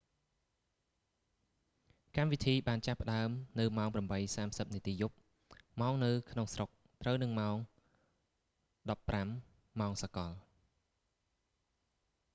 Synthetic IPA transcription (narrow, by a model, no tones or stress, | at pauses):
kamʋit̪ʰiːɓaːnt͡ɕapːə̆ɗaəmnɨwmaɔŋpramɓəjsaːmsəp̚niət̪iːjup̚ | maɔŋnɨwkʰnoŋsrok̚ | t̪rəwnɨŋmaɔŋ | ɗɑpːramː | aɔŋsakɑl